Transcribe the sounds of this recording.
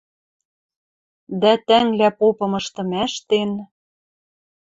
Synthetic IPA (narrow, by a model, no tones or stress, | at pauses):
d̪æt̪æŋlæpopɤ̆mɤ̆ʃt̪ɤ̆mæʃt̪en